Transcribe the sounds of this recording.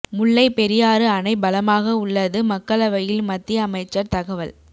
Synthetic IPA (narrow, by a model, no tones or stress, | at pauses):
mʊɭːɐɪpɛɾɪjaːɾɯɐnɐɪbɐlɐmaːɣɐʊɭːɐðɯmɐkːɐɭɐʋɐjɪlmɐt̪ːɪjɐːmɐɪt͡ʃːɐɾt̪ɐɣɐʋɐl